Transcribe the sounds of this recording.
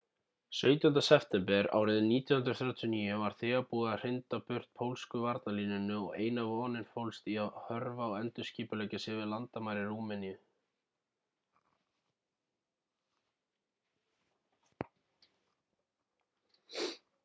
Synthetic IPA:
sœːɥt̪ʏʏnt̪asɛft̪ɛmpɛɾa̰ːwɾɪðɪniːt̪ʰjɔhʏnt̪ɾɔθjaːwt̪ʰjɔniːjʏvaɾ̥θɛːɣapuːɣar̥ɪnt̪apʏr̥t̪̚pʰowlskʏvaɾt̪naliːnʏnʏɔ̰ɣḛːjnavɔːnɪnfowlst̪iahœɾvaɔwɛnt̪ʏ̥sciːpʏleːjcɪsɪvɪðlant̪amaːjɾɪruːmɛniʏ

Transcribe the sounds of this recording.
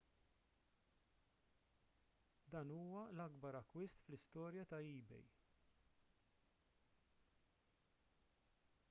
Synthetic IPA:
d̪ɐːnuːwɐlɐɡbɐɾɐkːwɪst̪flɪst̪ɔːɾjɐt̪ɐiːbɛ̰j

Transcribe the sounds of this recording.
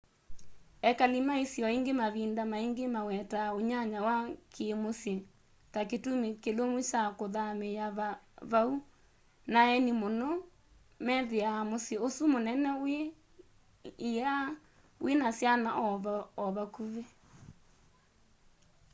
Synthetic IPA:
ɛkalimaisjɔiŋɡemaβindamaiŋɡemawɛtaoɲaɲawakʰemosje | taketumekelomut͡ʃakoðamejaaβau | naɛnimonɔ | mɛðeamosjeosumonɛnɛe | ia | wenasjanaʔɔβaɔβakuβe

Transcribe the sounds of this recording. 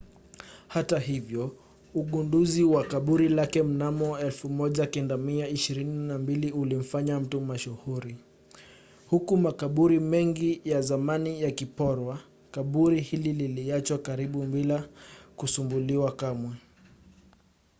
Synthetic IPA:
hataɦivjɔ | uɠunduziwakaɓuɾilakɛm̩namɔɛlfumɔʄakɛndamiaiʃiɾininambiliulim̩faɲam̩tumaʃuhuɾi | hukumakaɓuɾimɛŋɡijazamanijakipɔɾwa | kaɓuɾihilililiat͡ʃwakaɾiɓumbilakusumbuliwakamwɛ

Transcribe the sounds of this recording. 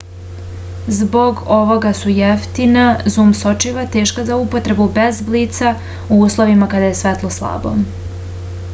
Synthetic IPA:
zbo̞ɡo̞ʋo̞ɡasujeft̪inazuːmsot͡ʃiʋat̪e̞ːʃkazaupo̞t̪ɾe̞bube̞zbliːt̪sa | uuːslˠo̞ʋimakad̪aje̞sʋet̪lˠo̞slˠa̰ːbo̞̰

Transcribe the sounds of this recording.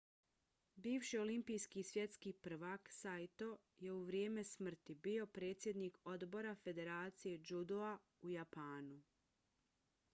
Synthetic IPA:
biːʋʃio̞limpijskisʋje̞t̪skipr̩ʋaksajt̪o̞ | je̞uʋɾjeːme̞smr̩t̪ibio̞pɾe̞ːt̪sje̞d̪niko̞d̪bo̞ɾafe̞d̪e̞ɾaːt̪sije̞d͡ʒud̪oa | ujapaːnu

